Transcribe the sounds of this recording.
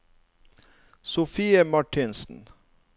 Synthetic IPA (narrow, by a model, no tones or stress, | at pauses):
sʊfiːəmɑʈʰɪnsn̩